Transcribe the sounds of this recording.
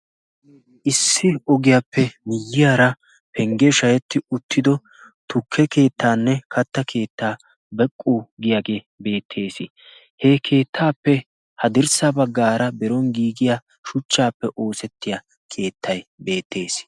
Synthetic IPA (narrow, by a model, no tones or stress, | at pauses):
ʔɪsːɪɔɡɪjaːpʰːɛmɪjːɪjaːɾɐ | pʰɛŋɡɛʃɐjɛt̪ːɪʊt̪ʰːɪd̪ɔ | t̪ʊkʰːɛke̞ːt̪ːaːnːɛkɐt̪ːɐkʰe̞ːt̪ːaː | bɛkʼːuɡɪjaɡe | be̞ːt̪ʰːe̞ːsɪ | hekʰe̞ːt̪ʰːaːpːɛ | hɐd̪ɪɾsɐbɐɡːaːɾɐbɛɾɔŋɡiːɡɪja | ʃʊt͡ʃːaːpːɛʔo̞ːsɛt̪ːɪja | kʰe̞ːt̪ʰːɐjbe̞ːt̪ʰːe̞ːs